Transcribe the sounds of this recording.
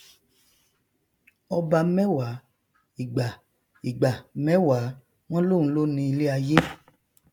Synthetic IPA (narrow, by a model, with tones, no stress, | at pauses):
ɔ˧ba˧mɛ˦wa˨˦ | i˨ɡ͡ba˨ | i˨ɡ͡ba˨mɛ˦wa˨˦ | w̃ɔ̃˦lo˦˨ũ˨˦lo˦nĩ˧i˧le˦a˧je˦